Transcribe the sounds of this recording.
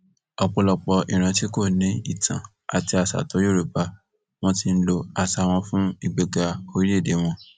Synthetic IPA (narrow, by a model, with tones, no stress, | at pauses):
ɔ˧k͡pɔ˧lɔ˧k͡pɔ˧ḭ˨ɾ̃ã˨˧ti˦ko˦˨nĩ˨˦i˦˨tʰã˨ | a̰˨ti˧a˨sa̰˨to˨˦jo˦˨ɾo˨˦pa˧ | w̃ɔ̃˧ti˧n̩˦lo˧a˧˨sa˨w̃ɔ̃˧fũ˦i˦˨ɡ͡be˨ɡa˧o˧˦ɾi˦e˦˨de˨˦w̃ɔ̃˧